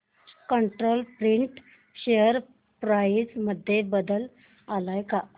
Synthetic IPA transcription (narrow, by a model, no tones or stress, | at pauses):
kəɳʈɾolpɾiɳʈ | ɕejəɾ | pɾaid͡zməd̪ʱːjebəd̪əl | alajka